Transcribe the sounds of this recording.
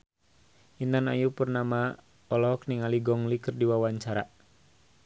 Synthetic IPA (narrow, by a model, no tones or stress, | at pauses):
int̪ana̰jupərnama | ɔlɔk̚niŋaliɡɔŋlikərdiwawaɲt͡ʃaɾa